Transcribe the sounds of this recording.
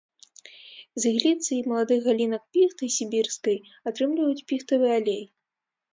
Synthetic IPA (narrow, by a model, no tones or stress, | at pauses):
zʲiɣlʲit̪sɨimɐlˠad̪ɨɣɣalʲinɐk̚pʲixt̪ɨsʲibʲirskɐj | at̪ɾɨmlʲivɐjut͡sʲpʲixt̪ɐvɨjɛalʲej